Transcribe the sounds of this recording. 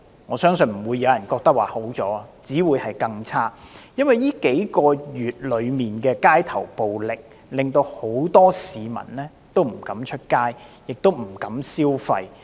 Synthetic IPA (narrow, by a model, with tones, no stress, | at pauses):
ŋɔː˨˧sœː˥ŋsɵ˧nm̩˨˩wuː˨˧jːɐ˨˧wjɐ˨˩nkɔː˧k̚t̪ɐ˥k̚waː˨˩ho˨˥wt͡sɔː˨˥˧t͡siː˨˥wuː˨˧jhɐ˨jkɐ˧ŋt͡sʰaː˥jɐ˥nwɐ˨jiː˥ke˨˥jkɔː˧jyː˨˩t̚lɵ˨˧ɥmiː˨nkɛː˧kaː˥jt̪ʰɐ˨˩wpo˨wlɪ˨k̚ | lɪ˨˩ŋt̪o˧who˨˥wt̪ɔː˥siː˨mɐ̰˨˩nlɛː˥ | t̪o˥wm̩˨˩kɐ˨˥mt͡ʃʰɵ˥t̚kaː˥jjɪ˨k̚t̪o˥wm̩˨˩kɐ˨˥msiː˥wfɐ˧j